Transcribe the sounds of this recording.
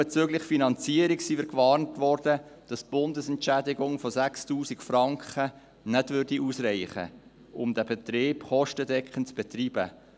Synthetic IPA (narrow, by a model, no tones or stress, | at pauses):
ɛt͡søːɡlɪχfinɑnt͡siəɾiksiːʋɪɾkʋɑːrntʋɔrd̥əd̥ɑsb̥ʊndəsɛnt͡ʃædɪɡʊŋfɔsækstuːsikfrɑŋkχə | nɛdʋʏrd̥iʔuːsɾɛɪχə̰ | ʔʊmd̪æbɛt̪ɾeːpχɔʃtədɛkχənt͡sb̥ɛt̪riːbə